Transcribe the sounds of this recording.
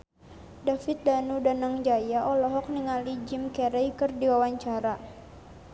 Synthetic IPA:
dafit̪̚danudanaŋd͡ʒajaʔɔlɔɦɔk̚niŋalid͡ʒimkɛɾɛjkɨrdiwawaɲt͡ʃaɾa

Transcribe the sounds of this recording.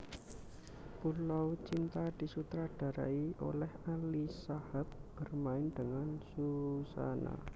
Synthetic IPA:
pulawt͡ʃint̪ad̪̥i̤sut̪ɾaɖ̥a̤ɾa̰iʔo̰lɛhalisahab̚b̥ərmaɪnd̥əŋansusa̰na̰

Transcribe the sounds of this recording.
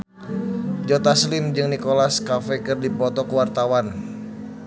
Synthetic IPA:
d͡ʒɔt̪aslɪmd͡ʒɨŋnikolaskafɛkɨrdipɔt̪ɔkəwart̪awan

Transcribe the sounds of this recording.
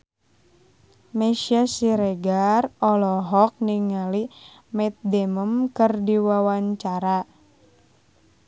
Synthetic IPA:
mɛʃiasiɾeɡarɔlɔɦɔk̚niŋali | mɛt̪̚dɛməmkɨrdiwawaɲt͡ʃaɾa

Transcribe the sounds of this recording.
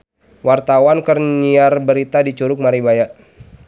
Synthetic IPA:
wart̪awankərniarbəɾit̪adit͡ʃuɾʊk̚maɾibajaʔ

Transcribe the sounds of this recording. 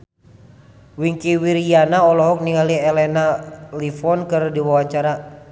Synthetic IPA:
wiŋkiwiɾianaɔlɔɦɔk̚niŋaliɛlɛnalifɔnkɨrdiwawaɲt͡ʃaɾa

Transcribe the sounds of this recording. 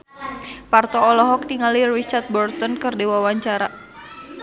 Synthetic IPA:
part̪ɔːlɔɦɔk̚t̪iŋalirit͡ʃart̪̚bɔrt̪ɔnkərdewawaɲt͡ʃaɾa

